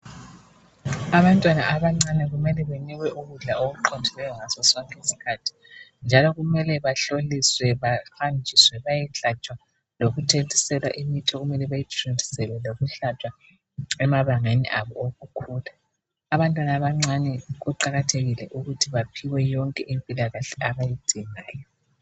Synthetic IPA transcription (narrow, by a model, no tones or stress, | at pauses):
aβantʼwanaʔaβaŋ͡ǀanɛɣumɛlɛβeniɣwɛʔuɣuɮaoɣuǃʰɔndʱilɛjɔŋasɔsɔŋkʼesi̥kʰatʰi̥nd͡ʒʱalɔɣumɛlɛβaɬoliswɛβahand͡ʒʱiswɛβajɛɬat͡ʃʼwa | loɣutʰentʼisɛlwaʔimitʰɔɣumɛlɛβajitʰʼrintʰʼi̥sɛlwɛloɣuɬat͡ʃʼwa | ɛmaβaŋanɛ̰ʔaβɔoɣukʰuːla | aβantʼwanaβaŋ͡ǀanɛɣuǃaɣatʰeɣilɛʔuɣutʰiβapʰiwɛjɔŋkʼɛʔimpʼilaɣaɬɛʔaβajid̥ʱiŋaːjɔ